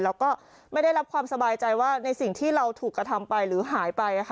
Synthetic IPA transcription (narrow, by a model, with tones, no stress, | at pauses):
lɛː˦˥wkɔː˥˩ | ma˥˩jda˥˩jɾa˦˥p̚kʰwaː˧msa˧baː˧jt͡ɕa˧jwaː˥˩na˧jsi˨˩ŋt̪ʰiː˥˩ɾa˧wt̪ʰuː˨˩kːɾa˧t̪ʰa˧mpa˧jɾɯː˩˦ɦaː˩˦jpa˧jʔa˧˩kʰ